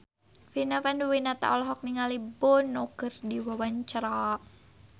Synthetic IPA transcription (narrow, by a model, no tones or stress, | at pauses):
finafanduwinat̪a̰ʔɔlɔɦɔk̚niŋalibɔnɔkərdiwawaɲt͡ʃɾa